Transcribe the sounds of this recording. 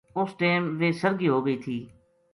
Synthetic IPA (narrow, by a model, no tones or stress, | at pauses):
ʊsʈeːmʋeːsəɾɡiːɦoːɡəiːt̪ʰiː